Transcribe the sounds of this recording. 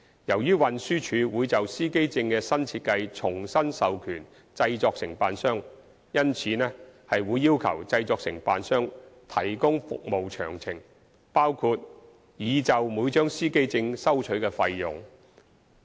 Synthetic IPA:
jɐ˨˩wjyː˥wɐ˨nsyː˥t͡ʃʰyː˨˧wuː˨˧jt͡sɐ˨wsiː˥ke˥jt͡sɪ˧ŋkɛː˧sɐ˥nt͡sʰiː˧t̚kɐ˧jt͡ʃʰʊ˨˩ŋsɐ˥nsɐ˨wkʰyː˨˩n | t͡sɐ˧jt͡sɔː˧k̚sɪ˨˩ŋpaː˨nsœː˥ŋ | jɐ˥nt͡sʰiː˨˧nɛː˥hɐ˨jwuː˨˧jːiː˥wkʰɐ˨˩wt͡sɐ˧jt͡sɔː˨˧k̚sɪ˨˩ŋpa̰ː˨nsœː˥ŋt̪ʰɐ˨˩jkʊ˥ŋfʊ̰˨k̚mo˨wt͡ʃʰœ̰ː˨˩ŋt͡sʰɪ˨˩ŋ | paː˥wkʰu˧t̚ | jiː˨˧t͡sɐ˨wmuː˨˧˥jt͡ʃœː˥ŋsiː˥ke˥jt͡sɪ˧ŋsɐ˥wt͡ʃʰɵ˨˥ɥkɛː˧fɐ˧jjʊ̰˨˩ŋ

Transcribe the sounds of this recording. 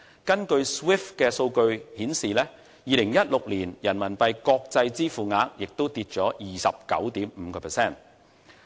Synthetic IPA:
kɐ˥nkɵ˧ɥswi˥fkɛː˧so˧wkɵ˧ɥhiː˨˥nsiː˨˩lɛː˥ | jiː˨˧lɪ˨˩ŋjɐ˥t̚lʊ˨k̚liː˨˩njɐ˨˩nmɐ˨˩npɐ˧jkɔː˧k̚t͡sɐ˧jt͡siː˥fuː˨ŋaː˨˧˥k̚jɪ˨k̚t̪o˥wt̪iː˧t̚t͡ʃɔː˨˥jiː˨sɐ˨p̚kɐ˨˥wt̪iː˨˥mm̩˨˧kɔː˧pʰɛː˨˩sɛː˥˩n

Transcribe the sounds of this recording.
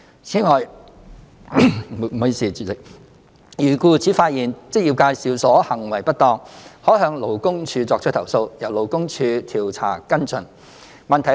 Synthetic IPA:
t͡sʰiː˨˥ŋɔː˨j | m˨o˨˧siː˨˩˨ | jyː˨˩kuː˧t͡sʰiː˨˥faː˧t̚jiː˨˩nt͡sɪ˥k̚jiː˨˩p̚kaː˧jsiː˨wsɔː˨˥hɐ˨˩ŋwɐ˨˩jpɐ˥t̚t̪ɔː˧ŋhɔː˨˥ɦœː˧ŋlo˨˩wkʊ˥ŋt͡ʃʰyː˧t͡sɔː˧k̚ʰt̪ʰɐ˨˩wso˧wjɐ˨˩wlo˨wkʊ˥ŋt͡ʃʰyː˧t̪ʰiː˨˩wt͡sʰa̰ː˨˩kɐ˥nt͡sɵ˨n | mɐ˨nt̪ʰɐ˨˩

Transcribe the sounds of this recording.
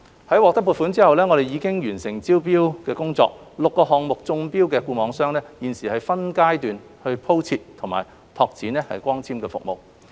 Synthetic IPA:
hɐ˨˥jwɔː˨k̚t̪ɐ˥kp̬ːuː˨˧t̚fu˨˥nt͡siː˥hɐ˨wlɛː˥ŋɔ˨˧ɾe˨jiː˨˧kɪ˥ŋjyː˨˩nsɪ˨˩ŋt͡siː˥wp̬iː˥wkɛː˧kʊ˥ŋt͡sɔ̰ː˧k̚lʊ˨kːɔː˧ɦɔː˨ŋmʊ˨k̚t͡sʊ˧ŋpiː˥wkɛː˧kuː˧mɔː˨˧ŋsœː˥ŋlɛː˥jiː˨nsiː˨˩hɐ˨jfɐ˥nkaː˥jt̪yː˨n | hɵ˧ɥpʰo˥wt͡sʰiː˧t̚t̪ʰʊ˨˩ŋma̰ː˨˩j | t̪ʰɔː˧k̚t͡sʰiː˨˥nlɛː˥hɐ̰˨jkʷɔː˥ŋt͡sʰiː˥mkɛː˧fʊ̰˨k̚mo̰˨w

